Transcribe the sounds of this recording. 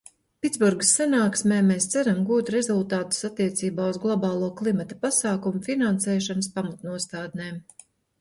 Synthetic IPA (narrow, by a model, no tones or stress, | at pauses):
pʲit̪zbuɾɡəsːanaːksmɛːmeːst̪sæɾamɡuːt̪ɾɛzulˠt̪aːt̪u̥sat̪ːiɛt̪siːbaːuzɡlˠɔbɑːlˠuɔklˠimat̪ɐ̥pasaːkumufinansɛːʃanɐspamat̪nuɔst̪aːd̪̚neːm